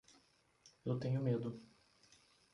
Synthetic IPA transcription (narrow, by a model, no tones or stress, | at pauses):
ewt̪ẽɲʊmed̪ʊ